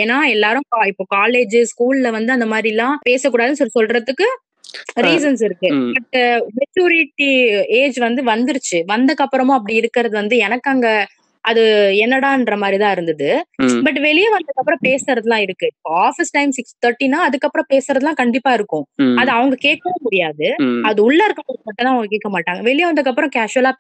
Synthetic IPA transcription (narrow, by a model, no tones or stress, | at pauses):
eːnːaːɛlːaːɾʊ̃kːɪpːoːkaːleːd͡ʒɯsskuːllɐʋɐnd̪ɯɐnd̪ɐmaːd̪ɾilãːpeːsɐkːuːɽaːðɯnsɐsɔlɾɐðɯkːɯ | ɾiːs̬ɐnsɪɾɯkːɯbɐʈmɛt͡ʃuːɾɪʈːieːd͡ʒʋɐnd̪ɯʋɐnd̪ɪɾɯt͡ʃːɯʋɐnd̪ɐkːɐpːɐɾɐmʊ̃ːɐpːɐɽiɪɾɯkːɪɾɐðɯʋɐnd̪ɯɛnɐkːaːŋɡɐ | ʔɐðɯɛnːɐɽãːɪndɾɐmaːd̪ɾit̪ãːɪɾɯnd̪ɐðɯbɐʈ̬ːʋɛɭɪjɐʋɐnd̪ɯkːɐpːɯɾɔ̃peːsɾɐðɯlãːɪɾɯkːɯɪpːoːaːfɪsʈɐɪmsɪkst̪ɐɾʈːinaːɐðɯkːɐpːɯɾɔ̃peːsɯɾɐðɯlãːkɐɳɖɪpːaːɪɾɯkːʊ̃ɐðɯɐʋɐŋɡɐkeːʈ̚kɐʋɐmʊɽɪjaːðɯɐðɯʊɭːɐɪɾɯkːɐmʊɽɪɐmaːʈːɐ̃naːɐʋɐŋɡɐkeːʈ̚kːɐmaːʈːaːŋɡɐʋɛɭɪjɐʋɐnd̪ɯkːɐpːɐɾɔ̃kaːʃɯɐlaː